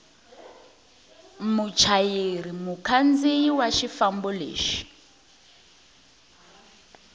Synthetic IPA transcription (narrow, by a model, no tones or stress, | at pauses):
mut͡ʃʰajiɾimukʰand͡ziwaʃifambulḛːʃi̥